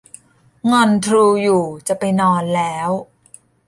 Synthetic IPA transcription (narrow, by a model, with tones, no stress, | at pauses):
ŋɔ˧nt̪ʰɾuː˧juː˨˩t͡ɕa˨˩pa˧jnɔː˧nlɛː˦˥w